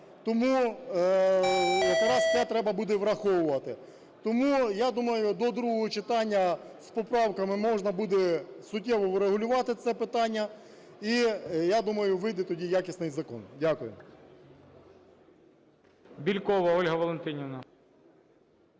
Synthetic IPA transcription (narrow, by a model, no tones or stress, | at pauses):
t̪ɔmu | jɐkɾɑsʲɛt̪ɾɛbɐbud̪ɛʋɾɐxɔwʊʋɐt̪ɪ | t̪ɔmujad̪umɐjʊd̪ɔd̪ɾuɦɔɦɔt͡ʃɪt̪ɑnʲːɐspɔpɾɑwkɐmɪmɔʒnɐbud̪ɛsʊtʲːɛʋɔʋɾeɦʊlʲʊʋɑt̪ɪt̪sɛpɪt̪ɑnʲːɐ | ijad̪umɐjʊʋɪjd̪ɛt̪ɔdʲijakʲisnɪjzɐkɔ̰ndʲakʊjɛ̰ | bʲilʲkɔʋɐɔlʲɦɐʋɔlˠent̪ɪnʲinɐ